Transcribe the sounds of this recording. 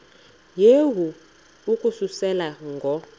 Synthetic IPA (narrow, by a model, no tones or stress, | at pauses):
jewu | ukʼususɛlaŋɡʱɔ